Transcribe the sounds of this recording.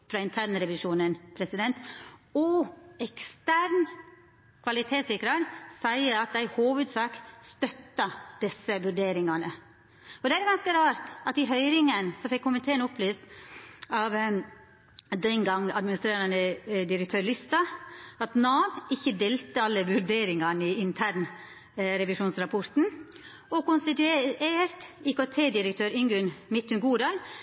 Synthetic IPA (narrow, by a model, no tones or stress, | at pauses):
fɾɑːɪnt̪ʰæɾnɾɛʋɪʂuːnənpʰɾɛsɪd̪ɛnt̪ɔɛkst̪æɾn | kʰʋɑlɪt̪ʰeːsɪkɾɑɾsæɪəɑt̪̚d̪æɪhuːʋʉd̪sɑːkst̪œt̪ːɑd̪̥ɪsːəʋʉɾɖeːɾɪŋɑnə | ɔd̪ɛæɾɡɑnskəɾɑːɾt̪ɑt̪ɪɦœʏɾɪŋənsɔfɛkkːʊmɪnt̪ʰeːənʊpʰlyːst̪ɑʋ | d̪ɛnɡɑŋːɑd̪mɪnɪst̪ɾeːɾɑnəd̪ɪɾək̚t̪ʰøːɾlʏst̪ɑɑt̪nɑːʋɪçːəd̪eːlt̪əɑlːəʋʉɾɖeːɾɪŋɑnɪɪnt̪ʰæːɾɳ | ɾɛʋɪʂuːnsɾɑpʰɔɾt̪n̩ | ɔkʊnst̪ɪt̪ʉeːɾt̪iːkot̪ʰeːd̪ɪɾək̚t̪ʰøːɾʏŋɡʉnmɪt̪ːʉmɡuːɖɑːl